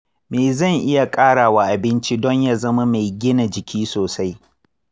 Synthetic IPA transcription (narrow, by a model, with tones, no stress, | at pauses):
meː˨zɐ˦˨ŋʔɪ˦ja˨kʼaː˦ɽaː˨wa˨ʔa˨bɪ˦nt͡ʃi˦dɔ˦ɲjaː˦zɐ˦ma˦ma˨jɡʲɪ˦na˨d͡ʒɪ˨kʲʰiː˦soː˨sa˦j